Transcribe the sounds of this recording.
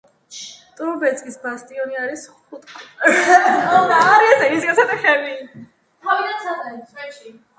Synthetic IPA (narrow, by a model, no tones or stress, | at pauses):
t̪ʼɔɾbɛt̪sʼkʼisbast̪ʼiɔniaɾisχut̪ʼkʰʼ | ɔd̪aɾiɛsɛisɡat̪sʰat̪ɛχɛmi | avid̪ansad̪aisʰʼwɛʃi